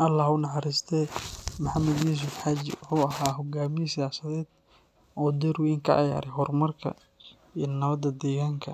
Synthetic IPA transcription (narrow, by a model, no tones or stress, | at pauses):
ʔɐlːaːhʊnɐħɑɾɪst̪ʰɛmʊħɑmɐd̪jiːs̬ʊfħaːd͡ʒɪ̰wʊħuːɐɦaːɦɔɡaːmɪjsɪjaːsɐðɛːd̪̥̚ | ʔɔːd̪ɛɾʊɪŋkʰɐ̰ʔɑ̰ja̰ːɾɛɦɔrmɐrkʰɐ̰ | iːnɐβɐd̪ɐd̪ɛːɣaːŋkʰɐ